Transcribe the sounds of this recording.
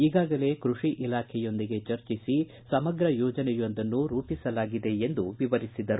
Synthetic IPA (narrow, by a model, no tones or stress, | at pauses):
iːɡaːɡɐle̞kɾuʂiʔilaːkʰɛjo̞nd̪iɡe̞t͡ʃɐɾt͡ʃisi | sɐmɐɡɾɐjɔːd͡ʒɐnɛjond̪ɐnːuɾuːpisɐlaːɡid̪e̞end̪uʋiʋɐɾisid̪ɐɾu